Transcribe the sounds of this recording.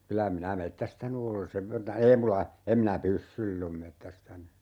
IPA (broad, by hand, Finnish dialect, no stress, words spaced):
kylæ minæ metːæstæny ole seʋ ʋertɑ ei mulɑ em minæ pysːyilː om metːæstæny